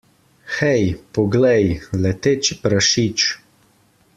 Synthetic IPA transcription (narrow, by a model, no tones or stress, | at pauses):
xɛjpɔɡlɛjlɛt̪et͡ʃipɾaʃit͡ʃ